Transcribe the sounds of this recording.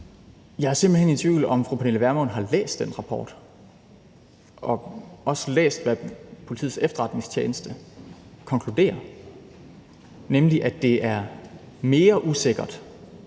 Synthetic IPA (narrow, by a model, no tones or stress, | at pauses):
jɑ̈ɪhɑɐse̝mb̥l̩hene̝nt͡sʰʋḭːʊl̩ɒ̽mfʁuːpʰæneləʋæɐmɔ̽nɦɑ̈lḛːsd̥enʁɑ̈pʰɒ̰ːd̥ | ʔɒ̽ɒ̽səlḛːsd̥ʋæpʰo̝lit͡sʰḭð̩̰ˠsefd̥ɐʁɑ̈d̥ne̝ŋst͡ɕʰjeːnəsd̥əkʰɒ̽ŋkʰlud̥e̝̰ːɐ | nemliʔæd̥e̝æɐ | me̝ːɐʔuse̝ɡ̥ɐd̥